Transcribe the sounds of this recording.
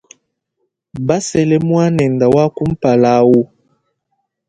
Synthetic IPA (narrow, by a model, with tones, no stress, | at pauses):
ba˦sɛ˦lɛ˦mwa˦nɛ˨nda˨wa˦ku˦m̩˦pa˨la˦wo˦